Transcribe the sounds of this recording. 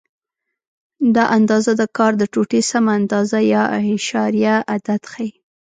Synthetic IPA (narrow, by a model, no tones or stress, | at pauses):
d̪ɑʔand̪ɑzad̪əkɑɾd̪əʈoʈesamaːnd̪ɑzajɑɪʃɑɾijaʔad̪ad̪xaj